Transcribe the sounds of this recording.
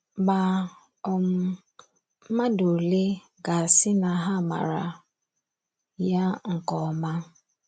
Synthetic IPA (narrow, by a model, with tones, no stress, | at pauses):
ɡ͡ba˨ | ɔ˦m̩˦ | m̩˦ma˦do˨le˦ | ɡa˨sɪ˦na˨ɦa˦˨ma̰˨ɾa̰˨ | ja˦ŋ̩˨kɔ˨ma˦